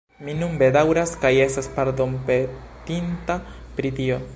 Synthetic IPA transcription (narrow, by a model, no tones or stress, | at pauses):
minumbe̞dawɾaskaje̞staspaɾd̪ompe | t̪inta | pɾit̪io̞